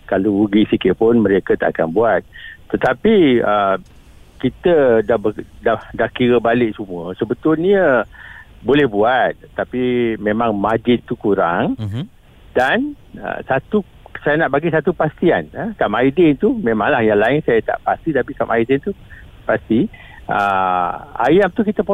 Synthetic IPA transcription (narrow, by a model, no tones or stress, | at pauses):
kalouɡisikɪpʊnmə̃ɾekət̪a̰ʔakanbuat̪̚ːət̪apiə | kit̪ədabədahdahkiɾəbalɪʔsumuəsəbət̪ʊlnɲə | bolɛhbuat̪̚t̪ːapimẽmãŋmad͡ʒɪt̪ukuɾaŋ | danə̰sat̪u | sajanaʔbaɡisat̪upast̪ianəkamaidɪnt̪umẽmãŋlahjaŋlaɪŋsajət̪a̰ʔpast̪it̪apikamʔaidɪnt̪u | past̪i | ə | a̰jamt̪ukit̪əpo